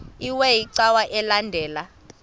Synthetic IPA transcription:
iwɛjiǀawaʔɛlandʱɛːla

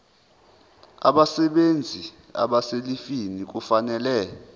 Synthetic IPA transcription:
a̰ɓasɛɓend͡zʱi | a̰ɓaselifinik̬ufanɛlɛ

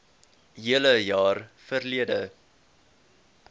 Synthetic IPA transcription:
ɦiələjɑːrfərliədə

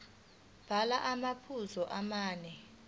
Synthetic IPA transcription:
b̥ʱalaʔamapʰuzɔʔamaːnɛ

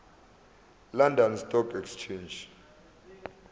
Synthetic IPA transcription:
landɔnstʼɔkʰɛkst͡ʃʰend͡ʒ

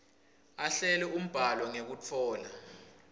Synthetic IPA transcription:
aɬɛlɛum̩b̥ʱalɔŋek̬ut͡fʰɔːla

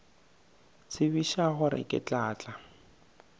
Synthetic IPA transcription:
t͡sʰɪβiʃaɣʊɾɪ̰kʼɪ̰t͡ɬʼaːt͡ɬʼa

